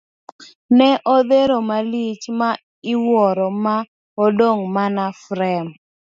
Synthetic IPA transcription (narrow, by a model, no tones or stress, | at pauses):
nɛʔod̪eɾomalit͡ʃma | ɪwɔɾɔma | odoŋmanafɾɛm